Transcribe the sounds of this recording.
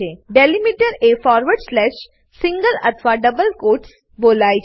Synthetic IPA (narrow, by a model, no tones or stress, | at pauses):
eːɖeːlimiʈəɾeːfɔːɾʋəɾɖslɛːʃ | sɪ̃ŋɡəlɐt̪ʰʋaɖɐbəlkoːʈs | boːlaːi